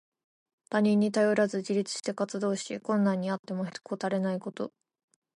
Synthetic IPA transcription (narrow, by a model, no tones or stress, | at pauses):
t̪aɲ̟ĩɲ̟ːit̪ajo̞ɾazɨd͡ʑiɾʲit͡sɨ̥ɕi̥t̪e̞kat͡sɨd̪o̞ːɕikõ̞nːãɲ̟ːiat̪ːe̞mo̞ɦkot̪aɾe̞naiko̞t̪o̞̰